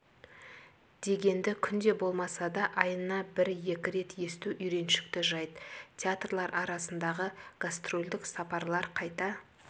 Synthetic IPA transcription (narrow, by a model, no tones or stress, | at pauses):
d̪̥e̞ɡʲe̞nd̪ɪkʲʰʏnd̪e̞bo̞lˠmɑsɑd̪ɑʔɑjənnːɑbɪɾje̞kʲɪɾe̞t̪je̞st̪uʔʏjɾe̞nʃɪ̥kt̪ɪʒɑjd̪t̪ʲeat̪rlˠɑɾʔɑɾɑsənd̪ɑʁəɡ̥ast̪ro̞lʲd̪ɪksɑpɑɾlˠɑɾqʰɑjt̪ɑ